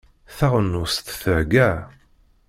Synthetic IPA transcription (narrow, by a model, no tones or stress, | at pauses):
θaʁənːʊst̪θəɾɡæ